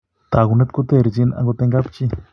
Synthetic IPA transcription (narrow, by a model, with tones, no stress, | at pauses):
t̪a˨ɡu˧˨ne˦t̪ko˦t̪e˧˨ɾzi˧na̰˧ŋɡo˧t̪e˧ŋɡa˦pt͡ʃi˦˧